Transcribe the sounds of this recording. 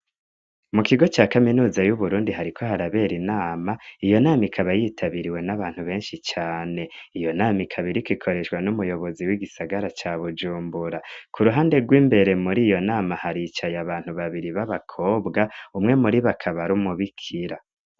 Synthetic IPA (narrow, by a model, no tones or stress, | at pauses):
mukiɡo̞t͡ʃaːkaminuːzajuβuɾuːndiɦaɾikʰo̞ɦaɾaβe̞ːɾinaːmaijo̞naːmikʰaβajiːtʰaβiɾiwe̞naβaːn̥huβe̞ːnʃit͡ʃaːne̞ijo̞naːmikʰaβiɾikwikʰoɾe̞ʃwanumujo̞βo̞ziwiɡisaɡaɾat͡ʃaːβud͡ʒuːmbuɾakʰuɾuɦaːnde̞ɡwiːmbe̞ɾe̞muɾiːjo̞naːmahaɾit͡ʃajaβaːn̥huβaβiɾiβaβakʰo̞ːbɡaumŋe̞muɾiβakʰaβaɾumuβikʰiɾa